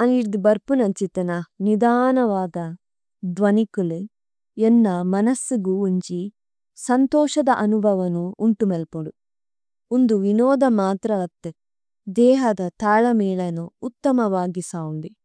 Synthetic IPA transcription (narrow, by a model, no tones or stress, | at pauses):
ɐniɾd̪ibɐɾpunɐt͡ʃit̪ɐnɐnid̪aːnɐʋaːd̪ɐ | d̪ʋɐnikulu | ɛnːɐmɐnɐsːuɡuːɲt͡ʃi | sɐnt̪ɔːʃɐd̪ɐʔɐnubʱɐʋɐnuːɳʈumelpuɽu | und̪uʋinɔːd̪ɐmaːt̪ɾɐɐt̪ːe | d̪ɛːɦɐd̪ɐt̪aːɭɐmɛːɭɐnuːt̪ːɐmɐʋaːɡisaːunɖ̪i